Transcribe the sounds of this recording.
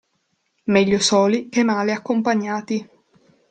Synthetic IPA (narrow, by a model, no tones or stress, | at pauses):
mɛʎːosɔːlik̟emːaːleakːompaɲːaːt̪i